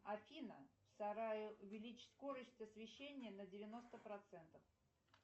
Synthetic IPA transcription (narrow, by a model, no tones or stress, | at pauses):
ɐfʲinəfsɐɾajɪʊvʲɪlʲit͡ɕsko̞ɾəsʲtʲɐsvʲɪɕːenʲɪjənədʲɪvʲɪno̞st̪əpɾɐt̪sɛnt̪əf